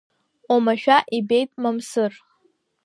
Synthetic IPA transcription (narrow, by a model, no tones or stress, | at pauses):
omaʃᶣaʔibejtʼmamsɨr